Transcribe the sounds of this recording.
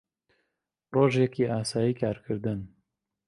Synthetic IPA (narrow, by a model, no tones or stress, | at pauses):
roːʒjɛkiːʔaːsaːjiːkaːɾkʰɨɾd̪ɨn